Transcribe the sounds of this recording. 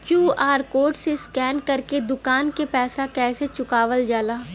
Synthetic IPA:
kjũːaːɾkoːɾʈseskɛːnkɐɾked̪ʊkaːnkepɛːsakɛːset͡ʃʊkaːʋəld͡ʒaːlaː

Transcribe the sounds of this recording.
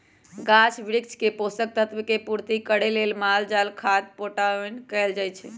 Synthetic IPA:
ɡat͡ʃʰʋɾikt͡ʃʰkeposək̚t̪ət̪ʋkepuɾt̪ikəɽelelmald͡ʒalkʰad̪̚poʈankəld͡ʒajt͡ʃʰɛ

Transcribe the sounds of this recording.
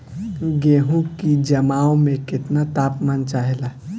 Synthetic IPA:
ɡeɦũkid͡ʒəmaːomẽkɪt̪nat̪aːpmaːnt͡ʃaːɦela

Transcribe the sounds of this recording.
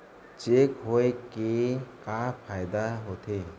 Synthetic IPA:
t͡ʃekɦojkekapʰajd̪aɦot̪ʰe

